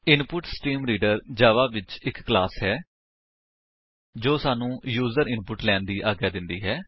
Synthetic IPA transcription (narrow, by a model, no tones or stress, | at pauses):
ɪnpʊʈsʈiːmɾiːɖəɾd͡ʒaːʋaːʋɪt͡ʃɪkːlaːsɦɛː | d͡ʒoːsaːnũːjuːzəɾɪ̃npʊʈlɛːnd̪iːʔaːɡaːd̪ɪnd̪iːɦɛː